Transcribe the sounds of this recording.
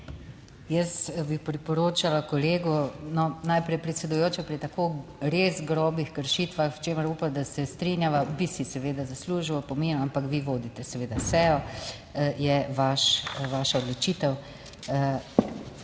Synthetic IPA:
jəsbipɾipɔɾoːt͡ʃalakɔleːɡunɔnajpɾɛjpɾɛt̪sɛd̪ujoːt͡ʃɛpɾit̪akoɾezɡɾɔːbixkəɾʃit̪ʋaxwt͡ʃeːməɾupamd̪asɛst̪ɾinjaʋabisisɛʋeːd̪azasluʒiwpɔmeːnuampakʋiʋoːd̪it̪ɛsɛʋeːd̪asɛjɔ | jɛʋaʃʋaːʃaɔd̪lɔt͡ʃiːt̪ɛw

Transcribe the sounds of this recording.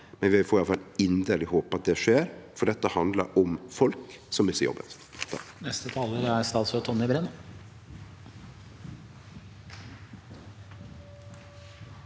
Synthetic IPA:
mɛnʋɪfoːɾɪɑlfɑlɪnd̪əlɪhoːpɑt̪̚d̪ɛʂeːɾfɔɖɛt̪ːəhɑnd̪lə̰ɾɔmfɔlksɔmɪsəjɔ̰bːə̰t̪ | t̪ʰɑ̰knɛst̪ət̪ʰɑːləɾæɾst̪ɑːt̪sɔt̪ʰɔnːɪbɾɛno

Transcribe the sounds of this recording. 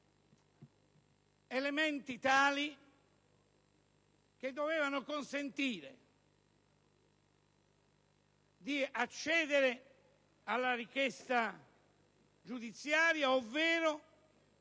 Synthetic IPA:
element̪it̪aːli | k̟ed̪ːovɛːvanokonsent̪iːɾḛ | d̪iat͡ʃːɛːðeɾe | alːarikjɛst̪a | d͡ʒud̪it̪sːjaːɾjaovːɛːɾo

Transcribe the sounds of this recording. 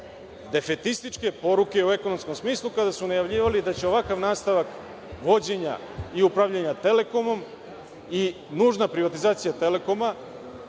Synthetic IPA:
d̪e̞fe̞t̪ist̪it͡ʃke̞po̞ɾuke̞ueko̞no̞msko̞msmiːslˠukad̪asunajaʋʎiːʋalid̪at͡ɕe̞o̞ʋakaʋnaːst̪aʋak | ʋo̞d͡ʑe̞ɲa̰ | iupɾaʋʎaɲat̪e̞le̞ko̞mo̞m | i | nuːʒnapɾiʋat̪izaːt̪sijat̪e̞le̞ko̞ma

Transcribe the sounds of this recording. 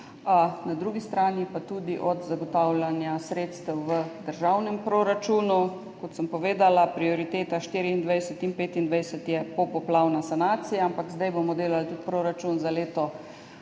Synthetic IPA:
nad̪ɾuːɡist̪ɾaːnipat̪ud̪iʔɔd̪zaɡɔt̪awlʲanjasɾeːt̪st̪əwʋəd̪əɾʒawnɛmpɾoːɾat͡ʃuːnu | kɔt̪səmpɔʋeːd̪alapɾiɔɾit̪eːt̪aʃt̪iːɾiind̪ʋɛjsət̪inpeːt̪ind̪ʋɛjsət̪jɛpɔpɔplawnasanaːt̪sijaampakzd̪ajbomɔd̪eːlalt̪ut̪pɾoːɾat͡ʃunzaleːt̪ɔ

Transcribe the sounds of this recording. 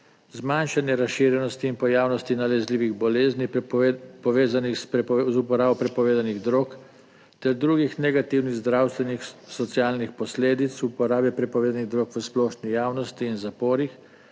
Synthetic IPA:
zmanʃanjɛɾasʃiːɾjɛnɔst̪iːnpɔjaːwnɔst̪inalɛzliːʋiɣbɔleːzni | pɔʋeːzanixzupɔɾaːbɔpɾɛpɔʋeːd̪aniɣd̪ɾoːk | t̪ɛɾd̪ɾuːɡixnɛɡat̪iwniɣzd̪ɾaːwst̪ʋɛnixsɔt̪sijaːlnixpɔsleːd̪it̪supɔɾaːbɛpɾɛpɔʋeːd̪aniɣd̪ɾoːkʋəsplɔːʃnijaːwnɔst̪iːnzapɔːɾix

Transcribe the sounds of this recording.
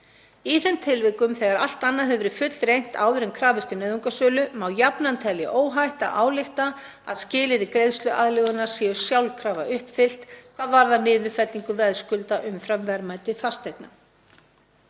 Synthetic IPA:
iθɛnt̪ʰɪlvɪkʏmθɛɣaɾa̰l̥t̪anːaðɦɛvʏɾʏfʏt̪lrejn̥t̪a̰ːwðʏɾɛmkʰɾaːvɪst̪ʏnœːðuŋkasœːlʏmawjapnant̪ʰɛljɪ̰ʔoːwɦajht̪a̰ʔa̰ːwlɪxt̪a | aðscɪːlɪɾɪkɾejðst̪lʏʔa̰ðlɛɣʏnaɾ̥sɛːʏ̥sjawlkʰɾaːvaʔʏhpfɪl̥t̪kʰv̥aːðvaɾðanɪːðʏfɛt̪liŋkʏvɛðskʏlt̪aʔʏmfɾamvɛɾmaːjt̪ɪfast̪ekna

